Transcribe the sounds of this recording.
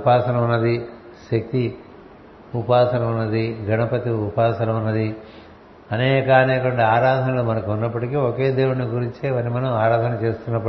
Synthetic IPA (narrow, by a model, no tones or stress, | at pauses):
upaːsɐnɐmunːɐd̪i | ʃɐk̚t̪i | upaːsɐnɐmunːɐd̪iɡʱɐnɐpɐt̪iupaːsɐnɐmunːɐd̪i | ɐnɛːkaːnɛːkɐɳɖɐaːɾaːd̪ʱɐnɐloːmɐnɐkuunːɐpːɐʈikeːokeːd̪eːwuɳiɡuɾiɲt͡ʃeʋɐnimɐnɐmaːɾaːd̪ʱɐnɐt͡ʃe̞ːst̪unːɐpːɐ